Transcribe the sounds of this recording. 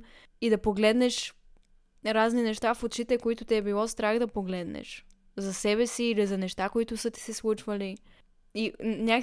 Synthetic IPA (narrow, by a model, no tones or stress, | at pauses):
id̪ɐpoɡlɛd̪nɛʃ | ɾazninɛʃt̪afot̪t͡ʃit̪ɛkoit̪ʊt̪ɛːbilˠɔst̪ɾaxd̪ɐpoɡlɛd̪nɛ̰ʃ | zɐsɛβɛsiːlizɐnɛʃt̪akoit̪ʊsɤt̪i̥sɛslˠut͡ʃvɐli | inʲak